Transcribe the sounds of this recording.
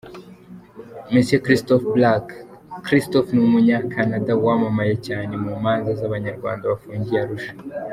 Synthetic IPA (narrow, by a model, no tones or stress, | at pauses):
mesekɾistofblakkɾistofnumuɲakʰanadawamamajecaːnemumaːnzazaβaɲaɾɡwa̰ːndaβafuːɲɟiaɾuʃḁ